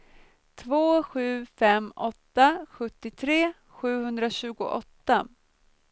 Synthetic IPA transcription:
t̪ʰvoːɧʉ̟ːfɛmːɔt̪ːaɧɵt̪ːɪt̪ʰɾeː | ɧʉ̟ːhɵnd̪ɾaɕʉ̟ːɡʊ̰ʔɔt̪ːa

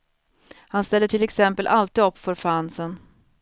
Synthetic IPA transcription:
hanst̪ɛlːəʈʰɪlɛksɛmpəlʔalt̪id̪ɔpːfœɾfansən

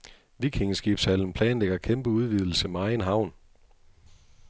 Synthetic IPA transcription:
ʋikʰeŋəsɡ̥ib̥shæln̩pʰlɛːnleɡ̥ɐkʰemb̥əuð̞ˠʋið̞ˠl̩səmɑ̈ɪenɦɑ̈ʊ̰n

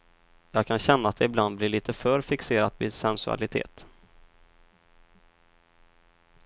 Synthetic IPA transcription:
jɑːɡ̚kʰanɕɛnːaːt̪̚d̪ɛɪbland̪blɪɭiːt̪ʰəfœɾfɪkseːɾat̪vɪsɛnsɵa̰lɪt̪ʰḛːt̪

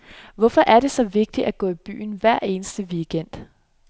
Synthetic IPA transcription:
ʋɒfɒ̽ʔæɐɾe̝sɒ̽ʋe̝ɡ̥̚d̥iæɡ̥ɔ̰ːib̥y̰ːn̩ʋæɐ̰e̝ːnəsd̥əʋiːɡ̥en̰d̥

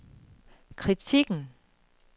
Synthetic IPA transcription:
kʰʁit͡sʰiɡ̥n̩

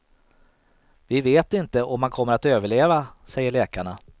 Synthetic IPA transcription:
vɪveːt̪ɪnt̪əʔɔmːankʰɔmːəɾat̪øːvəɭeːvasɛjːəɭɛːkaɳa

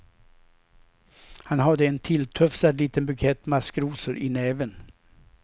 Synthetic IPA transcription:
hanɦad̪əɛnt̪ʰɪlt̪ʰœfsad̪liːt̪ənbʉkʰɛt̪ːmaskɾuːsəɾʔɪnɛːvən

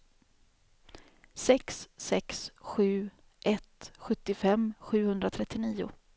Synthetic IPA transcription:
sɛksːɛksɧʉ̟ː | ʔɛt̪ɧɵt̪ːɪfɛmːɧʉ̟ːhɵnd̪ɾat̪ʰɾɛt̪ːɪniːʊ̰

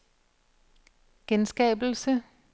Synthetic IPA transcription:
ɡ̥ensɡ̥ɛ̰ːbl̩sə

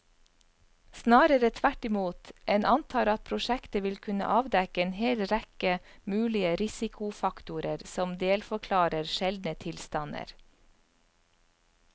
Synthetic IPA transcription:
snɑːɾəɾət̪ʰʋæʈɪmuːt̪ʔeːnʔɑnt̪ʰɑːɾɑt̪̚pʰɾʊʃɛkt̪əʋɪlkʰʉnə̰ʔɑːʋd̪ɛkəeːnheːlɾɛkəmʉːlɪəɾɪsɪkʰʊfɑkt̪ʊɾəɾsɔmd̪eːlfɔkʰlɑːɾəɾʃɛld̪nət̪ʰɪlst̪ɑnə̰ɾ

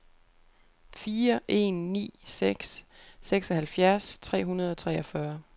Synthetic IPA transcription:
fiːɐʔe̝̰nːḭːseɡ̥sːeɡ̥sɒɦælfjæɐst͡sʰʁɛ̰ːɦunɐð̞ˠɒ̽t͡sʰʁɛːɒfɶɐ

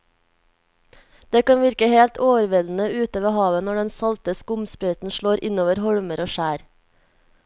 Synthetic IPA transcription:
d̪̥eːkɑnʋɪɾkəheːlt̪ʰoːʋəɾʋɪln̩əʉːt̪oːʋəhɑːʋənɔɖɛnsɑlt̪əskʊmspɾœʏt̪n̩ʃɭoːɾʔɪnoːʋəɾhɔɽməɾoːʃæːɾ

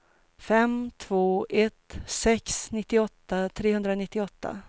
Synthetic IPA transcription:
fɛmt̪ʰvoːʔɛt̪sɛksnɪt̪ːɪɔt̪ːat̪ʰɾeːɦɵnd̪ɾanɪt̪ːɪɔt̪ːa̰

